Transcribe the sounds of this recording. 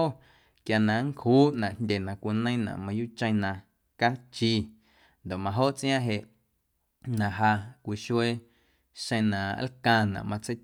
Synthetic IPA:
o˦ | kja˧nã˨ŋ˦khuː˦ʔnã˨ʔnndʲe˨nã˨kʷi˨nə̃˦j̃nã̰˨ʔmã˧juː˦t͡ʃə̃˧j̃nã˧ | ka˦t͡ʃiː˧ | nd̪o˨ʔmã˧ɦo˦˨ʔt͡sʔj̃ã˦ɦe˧˨ʔ | nã˨ʔɦa˧kʷi˨ʃwe˦ | ʃə̃˧j̃nã˨a̰˦lkã˧nã̰˨ʔmã˧t͡se˦j

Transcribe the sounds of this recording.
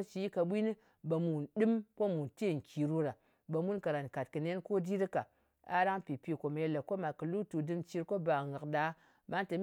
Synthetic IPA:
t͡ʃi˨˦i˦ka˧ɓʷi˦ni˦ | ba˨mu˨nɗɨ˦mko˦mu˨nte˦˨ŋ̩˨kʲi˨ɾu˦ɾa˨ | ba˨mu˦nka˨ɾa˨nka˨t̚kɨ˨ne˦nko˦di˦ɾɨ˦ka˨ | a̰˦ɾa˦ŋpi˨pi˦ko˨m˨je˧le˨ko˦ma˨kɨ˨lu˦tu˨dɨ˧mt͡ʃi˧ɾko˦ba˨ŋa˨kda˨˦ | ma˦nte˨m

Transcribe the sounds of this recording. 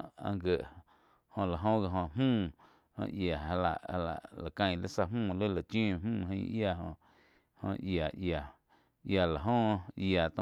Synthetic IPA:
ã̰˧ɡə˨ʔ | hõ˧la˨ɦõ˦ɡa˧ɦõ˧mũː˦˨ | hõ̰˧ja˨a˧la̰˨ʔha˧la̰˨ʔla˨kã˧j̃lə̰˦sa˧mmũː˦˨lə˦la˨t͡ʃĩː˦˨mũː˦˨ɦə̃˧ʔja˧˨ɦõ̰˧ | hõ̰˧ja˨ʔja˨ | ja˨la˨ɦõ˦ʔja˨t̪õ˧

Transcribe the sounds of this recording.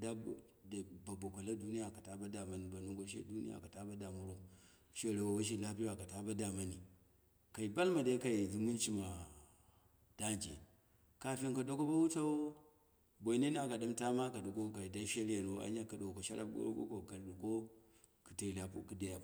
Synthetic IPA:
da˦˨˦ | da˨ba˨bo˨kʷa˨la˦du˦ni˦ja˨ka˨ta˦ba˦da˨ma˨ni˨ba˨nu˦ŋɡo˦ʃḛ˦du˦nḭ˦ja̰˨ka˨ta˦ba˦da˨mu˦ɾu˦m | ʃe˦˨ɾa˨wa˨wa˦ʃ̬i˦˨la˦pi˦wa˨ka˨ta˦ba˦da˨ma˦ni˨ | ka˨i˨ba˦lma˨da˦ka˨i˨zu˦mu˦nt͡ʃi˦ma˨ | d̥a˦nd͡ʒḭ˨ | ka˨fi˦ŋka˨do˦ko˦ba˦wu˦ta˦wo˦ | bo˨i˨˦ne˦n˦a˨ka˨ɗu˦mta˦ma˦ka˨du˨ko˦ka˨i˨da˦ʃe˦la˨no˨˦a̰˦ɲa˦ka˨do˨ko˨ʃa̰˦ɾʔa̰˦ɡo̰˦ɾ̰ko̰˦ko˨ka˨ldu˨ko˦ | ku˨ta˨la˨pu˦ki˨da˨ja˨

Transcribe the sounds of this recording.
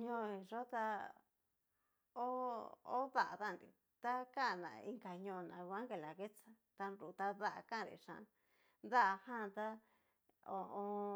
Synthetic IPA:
ɲõ˦˨e˨ʐo˦t̪a˧ | o˦o̰˦ða˦˨ʔa̰˨ða˦˨nɾḭ˨ | t̪a˦ka˦˨nã̰˨˧i˧ŋka˨ɲõ˧nã˨˧a˦ŋhe˧la˨ɣe˦t͡sa˦ | t̪a˧nɾu˨t̪a˧ða˦ʔa̰˧kã˦˨ɾḭ˨ʂã̰˧˨˧ | nd̪a˦a˧hã˦˧t̪a˦ | o˧õ˧

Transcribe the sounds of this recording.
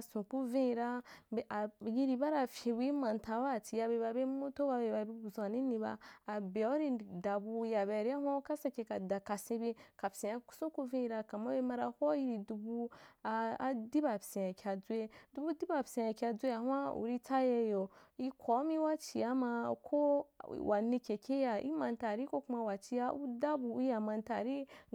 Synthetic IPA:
sũ˨ku˦vĩ˦i˧ɾa˦˨a˨ji˧ɾi˧ba˦ɾa˧fʲĩ˧wi˦mã˨n˨ta˧wa˦˨ti˨ja˧be˧˨ba˧be˦mu˦to˦ba˧be˨ba˨bi˧bu˨zʷa˨nĩ˦nĩ˧ba̰ː˧˨be˨o˦ɾi˧da˨bu˧ja˨be˧˨ɾi˦a˦wa˦ka˦sa˧ke˧ka˨da˨ka˨sĩ˧be˧ka˨psĩ˨a˧ku̥˦sũ˦ku˧vĩ˦i˧ɾa˧ka˨ma˦be˦ma˧ɾa˧ho˦ji˦ɾi˨du˧bu˧a˧a̰˨di˦ba˨psẽ˨ja˨kʲa˧d͡zu˦e˧du˦bu˦di˦ba˨psẽ˧ja˨kʲa˧d͡zʷe˦ja˨hwa˦ṵ˨ɾi˧t͡sa˦je˧jo˨i˦˧kʰʷo˨˦mi˦wa˦t͡ʃi˨ja˦ma˧kʰo˦wa˨nĩ˧kʲe˨kʲe˦ja˧ḭ˦ma˧nta˨ɾi˦ko˦ku˦ma˧wa˨t͡ʃi˧ja˧u˦da˦bu˧˦ja˨ma˧nta˨ɾi˦

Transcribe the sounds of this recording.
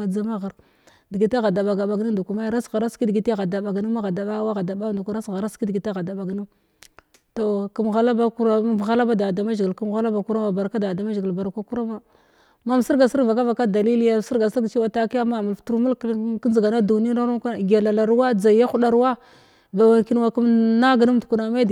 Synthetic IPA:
a˨d͡za˦ma˦ɣa˨ɾ | di˨ɡi˨ta˦ɣa˨da˨ɓa˨ɡa˨ɓa˨ɡi˦du˨ku˨ma˦jɾa˦sɣa˨ɾa˦ski˦dɡi˨ta˦ɣa˨da˨ba˨ɡni˦ma˦ɣa˨da˨ɓa˦wa˦ɣa˨da˨ɓa˦ndu˨ku˦ɾa˦˨ɣa˨ɾa˦ski˦dɡi˨ta˦ɣa˨da˨ba˨ɡni˦ | to˨ku˨m˨ɣa˨la˦ba˦ku˦ɾa˦˨ɣa˦la˦ba˦da˨da˨ma˦ʒɡi˨lku˦m˨ɣa˦la˦ba˨ku˦ɾa˦ma˨ba˨ɾka˦da˨da˨ma˦ʒɡi˨lba˨ɾkʷa˦ku˦ɾa˦ma˨ | ma˦m˨si˦ɾɡa˨si˦ɾva˨ka˦va˨ka˦da˨li˦li˦ja˦˨si˦ɾɡa˨si˦ɡt͡ʃi˦wa˨ta˦ki˦ja˦ma˨mu˨lftu˦ɾmu˦lkkzi˨ɡa˨na˦du˨ni˦na˦ɾu˦˨ɡa˨la˨la˨ɾwa˦d͡za˨i˨ja˦xu˦ɗa˦ɾwa˦ | ba˨wa˨ŋki˦n˦wa˨ku˦mna˦ɡa˨nu˦m˦tu˨ku˨na˨ma˦d

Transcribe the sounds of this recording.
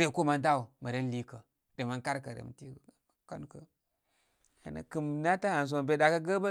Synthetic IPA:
ɾe˨ko˦ma˦n˦da˦u˨ma˨ɾe˦n˦li˦kə˨ | de˨ma˦nka˦ɾkə˨ɾḛ˨m˨ti˦˨ | ka˦n˦kə˨ | a̰˨na̰˨ki˨mna˦ta˦a˨n˨s̬o˨be˨da˨ka˦ɡə˦ba˦

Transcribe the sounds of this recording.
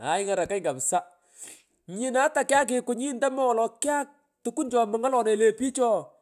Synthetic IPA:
a̰˨ɪ˦ŋa˨ɾa˨ka˦jŋɡa˨msa˦ | ɲɪ˨na˨˦ta˨kɪ˦a˦k̬ɪ˨kʊ˨ɲi˦nda˦mɔ˦wɔ˨lɔ˨kɪ˦a˦k̚ | tu˨ku˦nd͡ʒɔ˨mɪ˨ŋa˦lɔ˨ne˨le˨pi˦t͡ʃɔ˦˨

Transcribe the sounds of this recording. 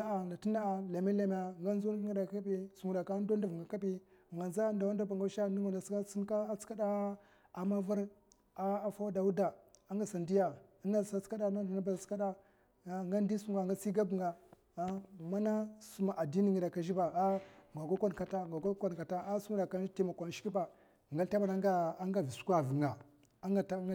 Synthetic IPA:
a˦a˨na˨ti˦na˦a˨la˨me˦la˨m˨a˨ŋɡa˦nzu˦n˦ŋi˦da˨ka˦bi˦su˨ŋu˨da˨ka˦n˦do˦n˦du˨vŋɡa˨ka˦bi˦˨ŋɡa˨nza˦nda˨wa˦n˦da˦ba˨ŋɡa˦ʃa˦˨ni˦ŋa˨na˨ska˦si˦n˦ka˦t͡ska˦da˦ | a˨ma˦va˦ɾ | a˦a˦fa˦wa˦da˨wu˦da˨a˦ŋɡa˨sa˨ndi˦ja˨˦na˦˨a˦ska˦da˨na˦da˨na˦ba˨ska˦da˦ | ŋɡa˦n˦di˦su˦ŋɡa˨ŋɡa˦si˦ɡa˦bu˨ŋɡa˨˦ | ma˦na˦su˦ma˨ʔa˨di˦ni˦ŋi˨da˨ka˦˨ʒi˦ba˨a˦ŋɡa˨ɡo˦kʷa˦n˨ka˨ta˦ŋɡa˨ɡa˦ka˦n˨ka˨ta˦a˦su˦ŋ˦da˨ka˦ti˦ma˨kʷa˨n˨ʃi˦ki˦ba˨ | ŋɡa˦lta˦ma˨na˦ŋɡa˦a˦ŋɡa˨vi˨su̥˦kʷa˨vi˨ŋa˨ | a˦ŋɡa˨ta˦

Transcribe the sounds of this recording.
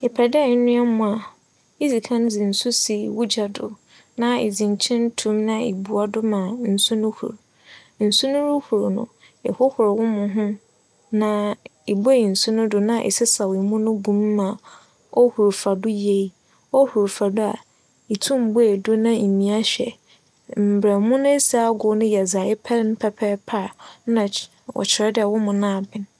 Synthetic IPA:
ɛ˨pʰa˨dɛ˦˨˦nʊ̃˦a˦mʊ̃˨a˨ | i˦d͡zi˨kʰã˦n˦d͡zɪ˨n̩˨su˦si˨wu˦d͡ʑa˨dʊ˨ | nã˦ḛ˨d͡zĩ˨ɲ˨t͡ɕʰɪ̃˦n˦tʰũ˦mnã˦ḛ˨bu˨a˨dʊ˦mãː˨n̩˨su˦nʊ̃˦hṵ˨ɾ | n̩˨su˦nʊ̃˦ɾʊ˦hu˨ɾnʊ̰̃˨ | ɛ̰˨hʊ˦hʊ˨ɾwʊ̃˦mʊ̃˨ɦʊ̃˦ | nã˨e˨bo˦i˨n̩˨su˦nʊ̃˦dʊ˨nã˦˨ʔɛ̰˨sɪ˦sa˨wi˨mʊ̃˦nʊ̃˦ɡũ˦mː˦ã˨ | ɔ˦hu˨ɾu˨fa˨dʊ˦je˨i˦˨ | ɔ˦hu˨ɾu˨fa˨dʊ˦a̰˨ | i˨tʰũ˦˨m˨bo˦e˨dʊ˦nã˦i˨mĩ˨a˦ɕᶣɛ̰˨ | m̩˨bɾɛ˨mʊ̃˦nʊ̃˦e˦sa˨a˦ɡʊ˨˦nʊ̃˦jɛ˨za˨ɪ˦pʰɛ˦n˦pʰɛ˦pʰɛ˦pʰa˦˨˦nã˨ | wɔ̰˨t͡ɕʰɪ˨ɾɛ˦dɪ˦ɛ˨wʊ˦mʊ̃˨nã˦a˨bɪ̃˨n

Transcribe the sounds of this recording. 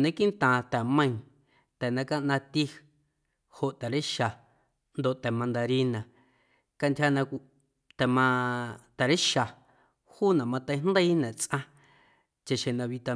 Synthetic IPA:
nẽ˦ki˦nt̪ãː˨t̪ɛ˨mə̃˧ĩ˧ | t̪ɛ˨nã˧ka˦ʔnã˧t̪i˦ | ho˨ʔt̪ɛ˨ɾə˦ʃa˨ | nd̪o˨ʔt̪ɛ˨mã˧nd̪a˧ɾi˧nã˨ | ka˧nt̪ʲha˧nã˧˨ | t̪ɛ˨mã˧t̪ɛ˨ɾə˦ʃa˨ | huː˦nã˨mã˧t̪ə̃˧jnd̪ə˦i˦nɛ̃˨t͡sʔã˧ | t͡ʃe˧ʃẽ˨nã˧βi˧t̪a˧

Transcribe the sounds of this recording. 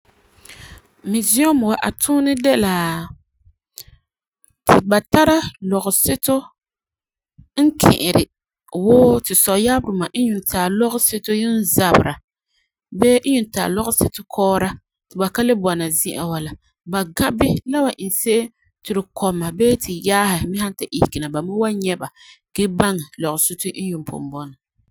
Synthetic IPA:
mi˨zi˦o˦m˨wa˨ʔa˨tʰuː˦nɪ˦dɛ˦la˨ | ti˨ba˨ta˦ɾa˦lɔ˨ɣʊ˨sɪ˦to˦ | ŋ̩˦kʰɪ̰̃˨ʔɪ˨ɾɪ˨ | woː˦tɪ˨sɔ˨ja˦bɨ˨ma˨˦ɲu˨n˨taː˨lɔ˦ɣʊ˦se˦to˦jɪ˦n˦za˨bɨ˨ɾa˨ | bɛː˦ɲu˨n˦ta̰ː˨lɔ˦ɣʊ˦sɪ˦tʊ˦kʰɔː˦ɾa˦ | tɪ˨ba˨ka˦lɪ˦bɔ˨na˨zɪ˦ʔa̰˨wa˨la˨ | ba˨ɡa˦bɪ˦la˦wa˨ʔɪ˨n˨se˦ʔ | tɪ˨ɾɪ˨kʰɔ˨mːa˨bɛː˦tʰɪ˨jaː˦hɪ˨mɪ˦ha˦nta˨ʔi˨hkɪ˨na˨ba˨ma˦wa˦ɲɛ˦ba˨ɡ̥e˦ba˦ŋɛ˨lɔ˨ɣʊ˨sɪ˦tʊ˦n̩˦ɲʊ˨mpo̰˨m˨bɔ˦nɔ˨

